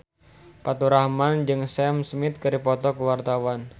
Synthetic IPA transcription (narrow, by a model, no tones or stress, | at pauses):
pat̪uɾahmand͡ʒɨŋsɛmsmɪt̪̚kɨɾipɔt̪ɔkəwart̪awan